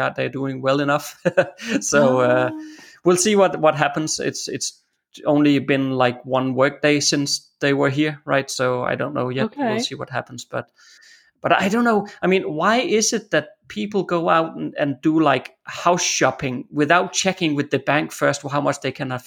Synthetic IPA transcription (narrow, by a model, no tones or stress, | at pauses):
ɑt̚ðəduɪ̃ŋwɛlˠɨnʌf | soʊʌwilˠsiwʌt̚wʌt̚ɦæpn̩z̥ɪ̰tsɪ̰ts | õʊ̃nlibɪ̃nlaɪkwʌ̃nwɜ˞k̚d̥eɪsɪ̃nsðeɪwə˞ɦiɹɹa̰ɪtsoʊa̰ɪdõʊ̃nːoʊjɛt̚wilˠsiwʌt̚ɦæpn̩z̥b̥ʌt̚ | b̥ʌɾa̰ɪdõʊ̃nːoʊaɪmĩːnwaɪʔɪzɨt̪̚ðɨt̚pʰipl̩ˠɡoʊaʊɾɨ̃ndəlaɪkhaʊsʃɑpɪ̃ŋwɨðaʊt̚t͡ʃʰɛkɪ̃ŋwɨðɨbæ̃ŋkfɜ˞st̚ɦaʊmʌt͡ʃðeɪkʰæ̃nəv